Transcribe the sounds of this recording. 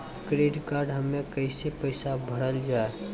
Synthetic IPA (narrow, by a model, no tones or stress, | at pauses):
kɾeːɖkaːɾɖɦəmːẽkəɪsepəɪsabʱəɽəld͡ʒaːe